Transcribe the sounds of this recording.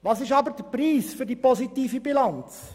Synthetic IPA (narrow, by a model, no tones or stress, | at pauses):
ʋɑːsɪʃɑbəɾd̥əpriːsfʏɾdipɔzitiːfibilɑnt͡s